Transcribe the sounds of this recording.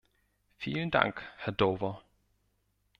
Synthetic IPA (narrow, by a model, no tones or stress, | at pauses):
fiːlənd̥ʰɑ̰ŋ̰ɡ̥hæɐd̥ɔʋɐ